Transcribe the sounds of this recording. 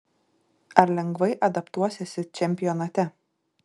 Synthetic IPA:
ɐɾlʲɛŋɡʋɐɪʔɐd̪ɐpt̪uɔsʲɛsʲɪt͡ʃʲɛmʲpʲɪjɔnɐt̪ʲɛ

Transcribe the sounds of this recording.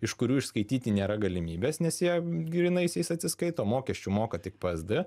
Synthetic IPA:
ɪʃkʊɾʲuːɪʃskɐɪt̪ʲiːt̪ʲɪnʲeːɾɐɡɐlʲɪmʲiːbʲeːsnʲɛsjiɛɡʲɾʲinɐɪsʲjɛɪsɐt̪ʲsʲɪskɐɪt̪oːmoːkʲɛsʲt͡ʃʲʊmoːkɐt̪ʲɪkpɐzd̪ɪ

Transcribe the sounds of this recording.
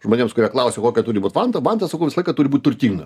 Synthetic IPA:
ʒmoːnʲeːmskʊɾʲiɛklˠɐʊsʲekoːkʲɛt̪uːɾʲɪbuːt̪ʋɑnt̪ɐʋɑnt̪ɐsɐkɐʊʋʲɪslˠɐɪkɐt̪uːɾʲɪbut̚ʲt̪ʊrʲt̪ʲiːŋɡɐ

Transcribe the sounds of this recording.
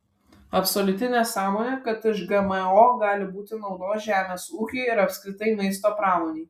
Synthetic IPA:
ɐpsoːlʲʊt̪ʲɪnʲæːsɑːmoːnʲeːkɐt̪ɪʃɡɐmɛoːɡɑːlʲɪbuːt̪ʲɪnɒʊd̪oːʒʲæːmʲeːsuːkʲeːɪɾɐpʲsʲkɾʲɪt̪ɐɪmɐɪst̪oːpɾɑːmoːnʲɛɪ

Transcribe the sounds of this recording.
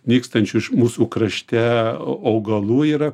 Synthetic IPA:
nʲiːkst̪ɐnʲt͡ʃʲʊɪʃmuːsuːkɾɐʃʲt̪ʲæːɐʊɡɐlˠuːiːɾɐ

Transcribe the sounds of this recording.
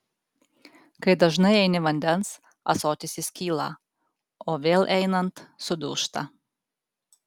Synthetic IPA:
kɐɪd̪ɐʒnɐɪɛɪnʲɪʋɐnʲd̪ʲɛns | ɐ̰soːt̪ʲɪsʲɪsʲkʲiːlˠɑ̰ | oːʋʲeːlˠʔɛɪnɐnt̪sʊd̪ʊ̰ːʃt̪ɐ̰

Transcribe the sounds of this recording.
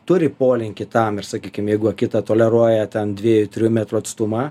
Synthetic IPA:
t̪ʊɾʲɪpoːlʲɪŋʲkʲɪt̪ɐmɪrsɐkʲiːkʲɪmjɛɪɡʊɐkʲɪt̪ɐt̪oːlʲɛɾuɔjɛt̪ʲɛnd̪ʲʋʲiɛjʊt̪ʲɾʲɪjʊmʲæt̪ɾʊɐt̪st̪ʊmɑ

